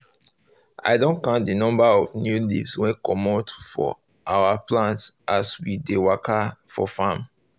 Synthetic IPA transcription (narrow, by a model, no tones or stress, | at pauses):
a̰ɪdõnkãntdinɔ̃mbaɔvnjulḭvswɛ̃kɔmotfɔ̰ | ʔawaplãntsʔaswidewakʰafɔ̰fãm